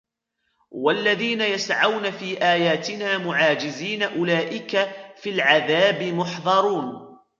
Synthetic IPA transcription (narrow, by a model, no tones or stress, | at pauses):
walːaðiːnajasʕawnafiːʔaːjaːt̪ɪnaːmʊʕaːd͡ʒɪziːnaʔʊlaːʔɪkafilʕaðaːbɪmʊħðˤɑɾˤuːn